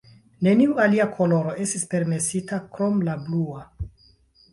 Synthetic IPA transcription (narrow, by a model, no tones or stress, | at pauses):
ne̞niualiakʰo̞lo̞ɾo̞ʔe̞stispe̞ɾme̞sitakɾo̞mlablua